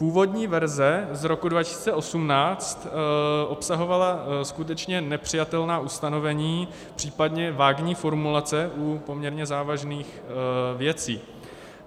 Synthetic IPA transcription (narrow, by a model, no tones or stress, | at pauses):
puːvo̞dɲiːvɛɾzɛzɾo̞kudvacɪ̥siːt͡sɛʔo̞sumnaːt͡st̪ʔo̞psaɦo̞valaskut̪̬ɛt͡ʃɲɛnɛpr̝̥ɪjat̪ɛlnaːʔust̪ano̞vɛɲiː | pr̝̥iːpadɲɛvaːɡɲiːfo̞ɾmulat͡sɛʔupo̞mɲɛɾɲɛzaːvaʒniːx | vjɛt͡siː